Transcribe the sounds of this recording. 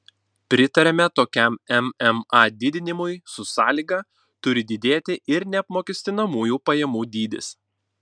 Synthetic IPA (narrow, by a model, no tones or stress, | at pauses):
pʲɾʲɪt̪ɐɾʲɛmʲɛt̪oːkʲɛˑmɛmɛmɑːd̪ʲɪd̪ʲɪnʲɪmʊɪsʊsɑːlʲiɡɑ | t̪ʊɾʲɪd̪ʲɪd̪ʲeːt̪ʲɪʔɪɾnʲɛɐpmoːkʲɛsʲt̪ʲɪnɐmuːjuːpɐjɛmuːd̪ʲiːd̪ʲɪ̰s